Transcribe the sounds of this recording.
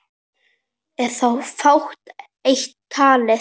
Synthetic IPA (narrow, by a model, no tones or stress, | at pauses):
ɛɾ̥θawfawxt̪ | ejçt̪ʰːaːlɪ